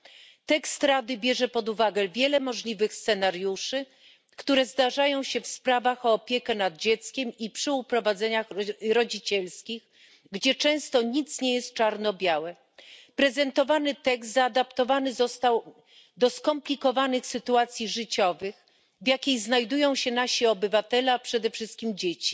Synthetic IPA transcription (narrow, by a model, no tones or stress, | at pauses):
t̪ɛkst̪ɾad̪ɘbʲjɛʐɛpɔd̪uvaɡɛvʲjɛlɛmɔʐlʲivɘxst̪sɛnaɾjuʂɘ | kt̪uɾɛzd̪aʐajɔ̃w̃ɕɛfspɾavaxɔːpʲjɛkɛnad̪̚d͡ʑɛt̪skʲɛmipʂɘupɾɔvad̪zɛɲaxɾɔd͡ʑit͡ɕɛlskʲix | ɡd͡ʑɛt͡ʂɛ̃w̃st̪ɔɲit̪sɲɛjɛst̪̚t͡ʂaɾnɔbʲjawɛ | pɾɛzɛnt̪ɔvanɘt̪ɛɡzt̪zaːd̪apt̪ɔvanɘzɔst̪aw | d̪ɔskɔmplʲikɔvanɘxsɘt̪uat̪sʲjiʐɘt͡ɕɔvɘx | vjakʲejznajd̪ujɔ̃w̃ɕɛnaɕiɔbɘvat̪ɛlɛapʂɛd̪ɛfʂɘst̪kʲimd͡ʑet͡ɕi̥